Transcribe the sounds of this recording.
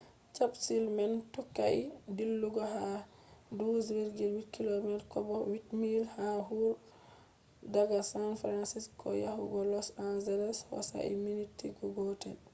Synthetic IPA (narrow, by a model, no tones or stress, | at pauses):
t͡ʃabsilmantɔkːa̰idilːuɡɔɦa | duzɾiɾɡilwitkilomɛtkɔbɔwitmilhaɦuɾ | daɡasanfɾansiskʰɔ̰jahuɡɔlɔsanzɛlɛswa̰sa̰ʔḭminitʰiɡɔɡɔtɛ̰n